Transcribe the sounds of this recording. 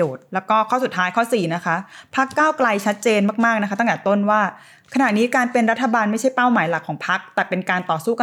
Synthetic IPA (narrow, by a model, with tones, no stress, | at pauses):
oː˨˩t̪̚lɛː˦˥wkɔː˥˩kʰɔː˥˩su˨˩t̪ʰːaː˦jkʰɔː˥˩siː˨˩na˦˥kʰa˦˥ʔpʰa˦˥kːaː˥˩wkla˧jt͡ɕʰa˦˥t̪̚t͡ɕeː˧nmaː˥˩k̚maː˥˩k̚na˦˥kʰt̪ːŋt̪ɛː˨˩˦t̪o˥˩nwaː˥˩ | kʰa˧na˨˩ʔniː˦˥kaː˧npe˧nɾa˦˥t̪ʰːa˧baː˧nma˥˩jt͡ɕʰa˥˩jpaː˥˩wmaː˩˦jla˨˩kʰɔː˩˦ŋpʰa˦˥k̚t̪ɛː˨˩pe˧nkaː˧nt̪ɔː˨˩suː˥˩k